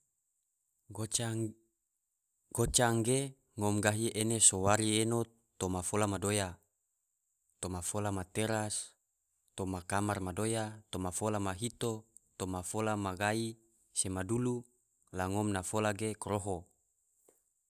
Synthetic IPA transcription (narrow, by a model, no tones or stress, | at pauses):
ɡot͡ʃaŋɡe | ŋɔmɡaɦiʔenesowaɾieno | t̪omafolamadoja | t̪omafolamat̪eɾas | t̪omakamarmadojat̪omafolamaɦit̪o | t̪omafolamaɡai | semadulu | laŋɔmnafolaɡekɾoɦo